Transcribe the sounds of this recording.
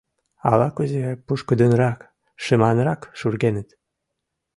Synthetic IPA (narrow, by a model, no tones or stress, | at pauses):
ɑlɑkuzeɣɑjpuʃkəd̪ənɾɑk | ʃəmɑnɾɑkʃurɣenət̪